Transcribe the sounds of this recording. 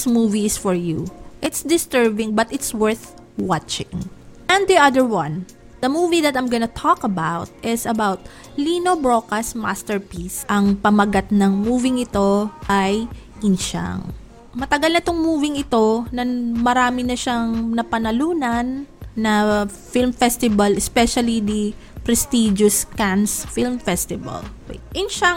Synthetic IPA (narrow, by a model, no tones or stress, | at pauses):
smuːviɪsfɔɹjuʔɪt̪sd̪ɪst̪ɛɹbɪ̃ŋbɐt̪ɪt̪swɛɹθ | wat͡ʃɪ̰̃ŋʔɛ̃nd̪iʔɐd̪əɹwɐ̃n | d̪̥ɐmuːviðɐt̪ɐjmɡɔnɐt̪ʰɔkɐbawt̪̚ɪsɐbawt̪̚ | linobɹokɐsma̰st̪ɛɹpisɐŋpɐmɐɡat̪̚nɐŋmuːvɪŋɪt̪o̞ʔaj | ʔɪnʃa̰ŋ | mɐt̪ɐɡalnɐt̪oŋmuːvɪŋɪt̪o̞nɐmɐɾaːmɪnɐʃɐŋnɐpɐnɐluːnɐnːɐfilmfɛst̪ɪbɐlɛspɛʃɐlid̪i | pɾɛst̪id͡ʒʊskansfilmfɛst̪ɪvɐ̰lʔɪnʃa